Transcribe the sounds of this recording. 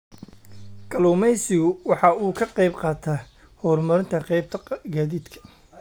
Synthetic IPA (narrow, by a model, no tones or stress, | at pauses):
ɡ̥ʼɐluːmɛjsɪɣʊwɑħɑuːkʰɐqɛjbqɑːt̪ʰa | hɔːrmɐɾɪnt̪ʰɐqɛjbt̪ʰɐɡaːðiːd̪kʰɐ̥